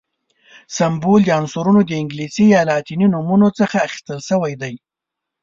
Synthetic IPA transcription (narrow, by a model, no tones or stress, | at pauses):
sambold̪əansuɾunod̪əɪŋɡlisijɑlɑt̪ininumunot͡səxaːxi̥st̪əlʃəwajd̪aj